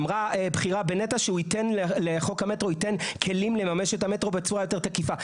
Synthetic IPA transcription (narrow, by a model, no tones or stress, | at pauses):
mʁabχiʁabenetaʃeuitenleleχo̞khametʁoitenkʰe̞limle̞mameʃethame̞tʁo̞bet͡suʁajo̞te̞ʁt̪akifa